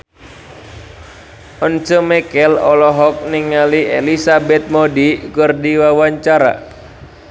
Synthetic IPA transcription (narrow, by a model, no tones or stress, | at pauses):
ʔɔnt͡ʃəmɛkɛlɔlɔɦɔk̚niŋaliḛlisabɛt̪̚modikɨrdiwawaɲt͡ʃaɾa̰